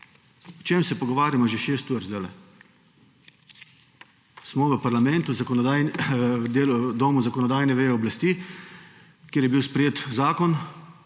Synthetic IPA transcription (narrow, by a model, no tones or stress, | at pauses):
ɔt͡ʃeːmsɛpɔɡɔʋaːɾjamɔʒeʃeːst̪uɾt̪zalɛ̰ | smɔʋəpaɾlamɛnt̪uzakɔnɔd̪a | d̪eːld̪oːmuzakɔnɔd̪aːjnɛʋeɔblast̪iː | kjeːɾjɛbiwspɾɛjeːt̪zaːkɔn